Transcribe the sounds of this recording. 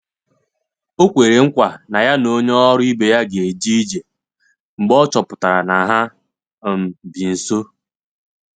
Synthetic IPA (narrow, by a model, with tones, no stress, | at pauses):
o˦kʷe˨ɾe˨ŋ̩˦kʷa˨na˨ja˦no˦ɲ˦ɔ˦ɾʊ˦i˦be˨ja˦ɡe˨d͡ʒi˦d͡ʒe˨ | ŋ͡m̩˨ɡ͡bɔ˦t͡ʃɔ˨pʊ˨ta˨ɾa˨na˨ɦa˦˨ | m̩˨bi˨n̩˨so˦